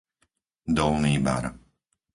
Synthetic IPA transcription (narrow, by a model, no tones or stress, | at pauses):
d̪ɔlniːba̰ɾ